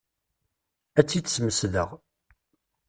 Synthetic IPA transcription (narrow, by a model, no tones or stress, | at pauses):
æt͡sːit͡sːə̥sməsðə̰ʁ